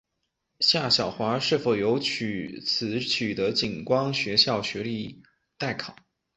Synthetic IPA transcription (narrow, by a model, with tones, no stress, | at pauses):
ɕja˥˩ɕjɑ˨˩ʊxwa˧˥ʂɻ̩˥˩fo˨˩ʊjo˧˥ʊt͡ɕʰy˨˩t͡sʰɹ̩˧˥t͡ɕʰy˨˩t̪ə˧˥t͡ɕi˨˩nkwɑ˥ŋɕɥɛ˧˥ɕjɑ˥˩ʊɕɥɛ˧˥li˥˧ | t̪a˥˩ɪkʰɑ˨˩˦